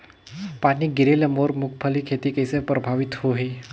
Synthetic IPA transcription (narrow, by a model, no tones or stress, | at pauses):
paniɡiɾeləmoɾmukʰpʰəlikʰet̪ikəjsepɾəbʱaʋit̪hoɦe